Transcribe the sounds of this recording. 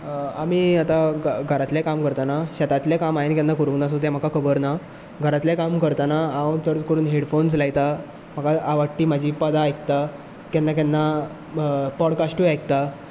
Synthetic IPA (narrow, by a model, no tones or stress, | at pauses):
amiːat̪aɡʱəɾat̪ljakamkəɾt̪anaɕat̪at̪ljakamainkɛnːakəɾuŋnas̬ot̪jam̤əkakʰəbəɾna | ɡʱəɾat̪ljakamkəɾt̪anaaʋəɳt̪əɽt͡skəɾuːnɦeɽfons̬laɡt̪a | m̤akaaʋəʈːiːmad͡ʑʱiːpəd̪aːjk̚t̪a | kɛnːak̬ɛnːa | pɔɽkasʈujajkt̪a